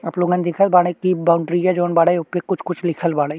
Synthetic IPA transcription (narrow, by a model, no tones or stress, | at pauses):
ɐploɡɐ̃nd̪ɪkʰəlbaːɽekibaːʊ̃ɳɖɾijad͡ʒoːnbaːɽajʊpekʊt͡ʃʰkʊt͡ʃʰlɪkʰəlbaːɽa